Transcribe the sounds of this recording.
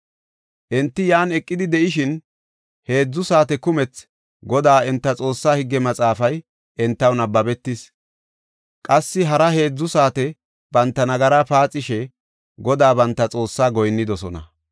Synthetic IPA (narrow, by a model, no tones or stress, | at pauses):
ʔɛnt̪ːɪjaːnɛkʼːɪd̪ɪd̪ɛʔɪʃɪn | he̞ːd͡zːʊsaːt̪ɛkʊmɛt͡s | ɡɔd̪aːɪnt̪ːɐt͡sʼo̞ːsːaːhɪɡːɛmɐt͡sʼaːfɐj | ɛnt̪ːɐwnɐbɐbɛt̪ːɪs | kʼɐsːɪɦɐɾɐhe̞ːd͡zːʊsaːt̪ɛ | b̥ɐnt̪ːɐnɐɡɐɾaːpaːt͡sʼːɪʃɛ | ɡɔd̪aːbɐnt̪ːɐt͡sʼo̞ːsːaːɡɔjnːɪd̪ɔsɔnɐ̰